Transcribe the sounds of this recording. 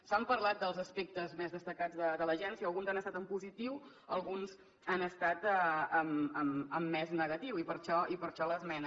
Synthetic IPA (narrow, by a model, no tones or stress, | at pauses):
sampəɾlat̪̚d̪əlˠzəspek̚t̪əzmezðəst̪əkad͡zðəd̪ələʒɛnsiəːlˠɣunzanəst̪at̪əmpuzit̪iw | əlˠɣunz | anəst̪at̪əəməməmːɛznəɣət̪iwipəɾʃɔipəɾʃɔləzmɛnə